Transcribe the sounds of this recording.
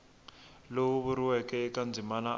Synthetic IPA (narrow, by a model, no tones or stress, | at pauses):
lowuβuɾiwɛkɛɛkand͡zʱimana